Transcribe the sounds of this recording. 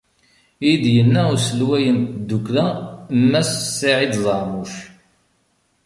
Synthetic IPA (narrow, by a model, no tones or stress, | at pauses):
id̪jənːæʊsəlwæjənd̪ːukɾæmːæsəsːiʕid̪zˤɑɾmuʃ